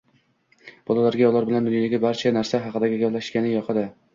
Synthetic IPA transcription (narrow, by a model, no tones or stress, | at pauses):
b̥ɒlˠalaɾɡʲajɒlˠaɾbɪland̪ʊnjɒd̪aɡʲɪbaɾt͡ʃʰanaɾsaɦɑqɨd̪aɡʲɪɡʲaplaʃɪ̥ʃkʲanɪjɒqʰɨd̪ɪ